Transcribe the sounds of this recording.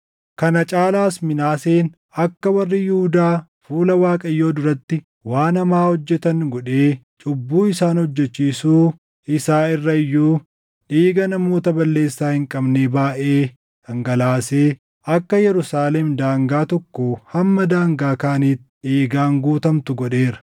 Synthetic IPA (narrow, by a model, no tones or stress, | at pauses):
kɐnɐt͡ʃʼaːlaːsmɪnaːseːn | ɐkːɐwɐrːɪjɪhʊd̪aː | fuːlɐwaːkʼɐjːo̞ːd̪ʊɾɐt̪ːɪ | waːnɐmaːhɔd͡ʒːɛt̪ɐŋɡɔᶑe̞ː | t͡ʃʼʊbːuːɪsaːnhɔd͡ʒːɛt͡ʃːiːsuː | ɪsaːɪrːɐɪjːuː | ᶑiːɡɐnɐmo̞ːt̪ɐbɐlːe̞ːsːaːhɪŋkʼɐbneːbaːʔeː | ɐŋɡɐlaːseː | ʔɐkːɐjɛɾʊsaːlɛmd̪aːŋɡaːt̪ɔkːohɐmːɐd̪aːŋɡaːkaːniːt̪ː | eːɡaːŋɡuːt̪ɐmt̪ʊɡɔᶑe̞ːɾɐ̥